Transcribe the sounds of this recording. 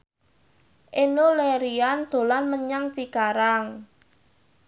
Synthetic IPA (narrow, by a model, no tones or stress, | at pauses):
ʔenuleɾiand̪̥o̤lanməɲaŋt͡ʃikaɾaŋ